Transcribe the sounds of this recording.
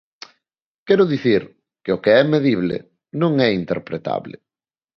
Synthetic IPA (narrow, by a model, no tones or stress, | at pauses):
kɛɾʊðiθiɾ | keʊkeɛmeðiβlɪ̰ | nõŋɛint̪eɾpɾet̪a̰βlɪ̰